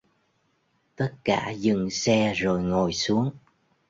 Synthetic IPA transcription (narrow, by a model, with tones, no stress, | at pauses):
t̪ə˦˥t̚ka̰ː˧˩zɨ˨˩ŋsɛ˧zo˨˩jŋo˨˩jsu˨˦əŋ